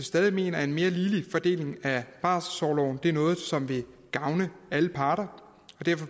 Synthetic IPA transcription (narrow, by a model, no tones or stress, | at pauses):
sd̥ɛːð̞ˠime̝̰ːnɐe̝nme̝ːɐliːlifɒ̽d̥e̝̰ːle̝ŋæb̥ɑ̰̈ssɒʊlɒ̰ʊn̩d̥e̝ɐnɔ̽ːð̩ˠsɒ̽mʋe̝ | ɡ̥ɑ̈ʊnəæləpʰɑ̈ːɾ̥ɐ | ɒ̽d̥æɐ̰fɒ̽